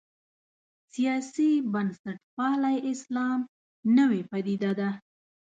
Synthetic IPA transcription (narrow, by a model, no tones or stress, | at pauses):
sijɑsibansaʈpɑlajʔɪslɑm | nəwepad̪id̪ad̪a